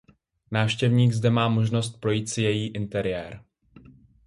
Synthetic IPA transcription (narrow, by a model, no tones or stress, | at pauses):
naːfʃcɛvɲiːɡzdɛmaːmo̞ʒno̞st̪̚pɾo̞jiːt̪sɪjɛjiːʔɪnt̪ɛɾɪjɛːɾ